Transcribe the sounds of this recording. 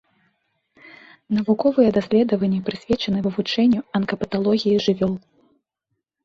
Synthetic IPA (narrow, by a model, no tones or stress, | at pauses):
nɐvukɔvɨjɛd̪asʲlʲɛd̪ɐvɐnʲːɛpɾɨsʲvʲɛt͡ʂɐnɨvɨvut͡ʂɛnʲːuɐnkɐpɐt̪alˠɔɣʲijiʐɨvʲɔlˠ